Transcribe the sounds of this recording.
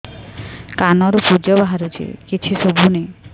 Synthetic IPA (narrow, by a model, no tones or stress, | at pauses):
kanɔɾɔpud͡ʒɔbaɦaɾut͡ʃʰḭkit͡ʃʰisobʱune